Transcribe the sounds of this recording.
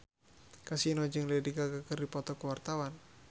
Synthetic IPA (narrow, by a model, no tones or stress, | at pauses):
kasinod͡ʒɨŋlɛdiɡaɡakərdipɔt̪ɔkəwart̪awan